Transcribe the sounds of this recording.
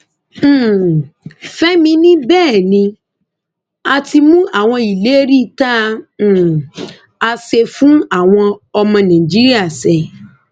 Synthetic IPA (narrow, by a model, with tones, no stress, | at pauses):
fɛ˦mĩ˧˦nĩ˦bɛː˦˨nĩ˧ | a˧ti˧mũ˦a˦˨w̃ɔ̃˧i˨le˨˦ɾi˦˨tã˦˨ | a˧se˧fũ˦a˦˨w̃ɔ̃˧ɔ˧mɔ̃˧nã˨i˨d͡ʒi˦ɾi˦a˦˨sɛ˨